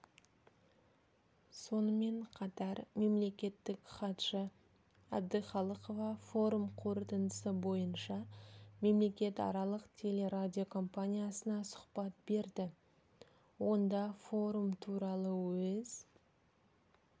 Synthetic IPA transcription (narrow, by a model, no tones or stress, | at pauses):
so̞nəme̞ɴqʰɑt̪ɑɾme̞mle̞kʲe̞t̪ːɪkχɑt̪ʃə | æb̚d̪əχɑlˠəqo̞vɑfo̞ɾumqʰo̞ɾt̪ənd̪əsəbo̞jənʃɑme̞mle̞kʲe̞t̪ɑ̰ɾɑlˠəqt̪ʲʰe̞le̞ɾad̪ʲio̞kʰo̞mpanʲijasənɑsʊ̥χpɑt̪̚be̞ɾd̪ɪ | wo̞nd̪ɑfo̞ɾumt̪ʰuɾɑlˠəwɵz